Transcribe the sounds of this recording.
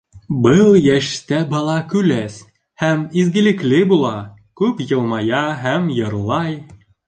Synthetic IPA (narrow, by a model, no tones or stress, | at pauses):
bɤlˠjæʃt̪æbɑlˠɑkʉlæs | hæmizɡɘ̆lɘ̆klɘbulˠɑ | kʉpjɤ̆lˠmɑjɑɦæmjɤ̆ɾlˠɑj